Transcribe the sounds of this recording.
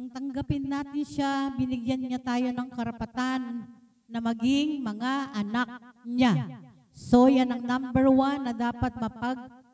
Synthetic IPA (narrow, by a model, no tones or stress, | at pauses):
pɐŋt̪ɐŋɡɐpɪnːaːt̪ɪnʃabɪnɪɡjanɲat̪aːjo̞nɐŋkɐɾɐpɐt̪anː | ɐmɐɡɪŋmɐŋaʔɐnak̚ɲa | sojɐnɐŋnambɛɹwanːɐd̪aːɐt̪̚mɐtpɐɡ̚